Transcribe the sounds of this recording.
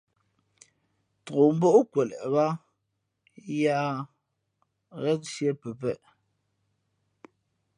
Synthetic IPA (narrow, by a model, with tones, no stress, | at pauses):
to˨m̩˦bo˦ʔkwɛ˨lɛ̰˨ʔba˦ | ja˦ | ɣɛ˦n˦sje˦pɛ˨pɛ̰˦˨ʔ